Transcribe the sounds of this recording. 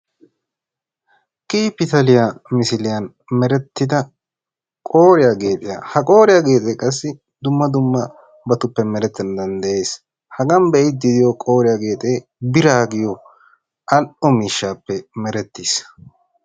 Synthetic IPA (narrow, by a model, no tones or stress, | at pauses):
kʼiːpːɪt̪ɐlɪjamɪsɪlɪjɐn | mɛɾɛt̪ːɪd̪ɐ | kʼo̞ːɾɪjaɡe̞ːt̪ʼɪjɐ̰hɐkʼo̞ːɾɪjaɡe̞ːt̪ʼeːkʼɐs̬ːɪ | d̪ʊmːɐd̪ʊmːɐ | bɐt̪ʊpːɛmɛɾɛt̪ːɐnd̪ɐnd̪ɐe̞ːs | hɐɡɐmbɛʔɪd̪ɪd̪ɪjɔkʼo̞ːɾɪjaɡe̞ːt̪ʼeː | bɪɾaːɡɪjɔ | ʔɐlʔɔmiːʃːaːpːɛmɛɾɛt̪ːiːs